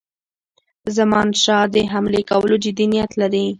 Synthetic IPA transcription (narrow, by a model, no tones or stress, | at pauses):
zamɑnʃɑd̪əɦamlekawəlod͡ʒɪd̪inijat̪laɾi